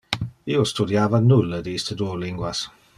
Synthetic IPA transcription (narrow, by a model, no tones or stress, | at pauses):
iːostudiaːvanulədiːstʰədulɪŋɡwas